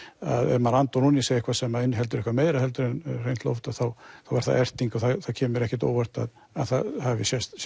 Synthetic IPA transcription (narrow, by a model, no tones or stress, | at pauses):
aðɛ̰ɾmaɾant̪ɔnuniseːjɪhkvasɛmaɪnːɦɛlt̪ʏɾɪhkvameːjɾahɛlt̪ʏɾɪnrejnt̪lɔ̰ft̪aðθawθawvaɾ̥θa̰ðɛr̥t̪iŋkɔθaθacʰɛːmʏɾɛhcɛ̥t̪o̰ːwɛr̥t̪a̰ð | aðθaðhavɪsjɛst̪